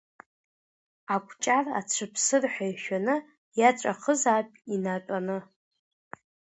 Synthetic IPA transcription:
akʷʰʼt͡ʃʼara̰t͡ʃʷʰɨpʰsɨrħʷᶣajʃᶣanɨ | jat͡ʃʷʼa̰χəzaːpʼinatʷʼanɨ

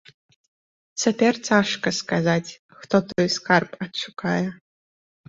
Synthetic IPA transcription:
t͡sʰɐtʰert͡sʰaːʂkaskazatʲʰʼ | xtʰotʰojskʰarpʼat͡ʃʷʰɨkʼʰaja

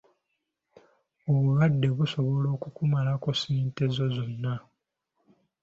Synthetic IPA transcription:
oβuβadːe̞βuso̞βo̞lo̞ːkukumalako̞siːnte̞zo̞zo̞nːa

